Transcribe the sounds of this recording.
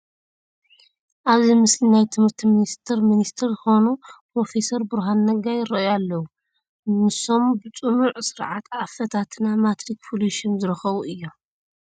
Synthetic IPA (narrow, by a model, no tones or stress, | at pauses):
ʔaβzimɨslinajt̪ʰɨmhɨɾt̪ʰiminist̪ʰɨɾminist̪ʰɨɾzɨxo̞nupɾo̞fe̞sɐɾbɨɾɦanːɐɡajɪɾːɐʔjalːɐwu | nɨso̞mbɨt͡sʼɨmuʕsɨɾʕat̪ʰafɐt̪ʰat̪ʰɨnamat̪ʰɾik̚pʰuluʃɐmzɨɾɨxɐβuʔɨjːo